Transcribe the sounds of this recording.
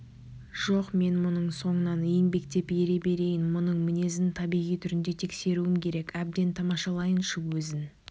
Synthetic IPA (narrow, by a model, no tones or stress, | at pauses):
ʒ̥o̞qme̞nmʊnəɴso̞ɴənɑnijɪnbe̞kt̪e̞peɾe̞be̞ɾe̞jɪnmʊnəɴmɪne̞zɪnt̪ʰɑbijʁijt̪ʰʏɾɪnd̪e̞t̪ʰe̞kse̞ɾuɪmkʲʰe̞ɾe̞kæb̚d̪e̞nt̪ʰɑmɑʃɑlˠɑjənʃəwɵzɪn